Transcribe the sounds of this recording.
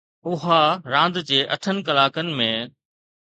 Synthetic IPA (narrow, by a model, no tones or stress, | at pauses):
ʊɦaɾãːnd̪d͡ʑeːʔɐʈʰənɪ̆kɐlaːkənɪ̆mẽ